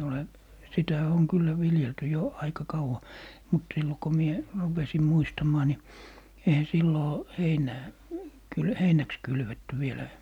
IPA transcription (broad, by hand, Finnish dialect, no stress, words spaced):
ole sitæ oŋ kylːæ ʋiljelty jo ɑikɑ kɑuwɑ mut silːo ko mie rupesi muistɑmɑː ni eihæ silːoː heinæː kyl heinæks kylʋetːy ʋielæ